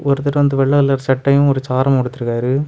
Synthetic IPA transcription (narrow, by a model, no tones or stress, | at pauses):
ʔɔɾɯt̪ːɐʈʋɐnd̪ɯʋɛɭːɐɣɐɭːɐɾsɐʈːɐjʊ̃mɔɾɯt͡ʃaːɾɐmkɔɽɯt̪ːɯɾɯkːaːɾɯ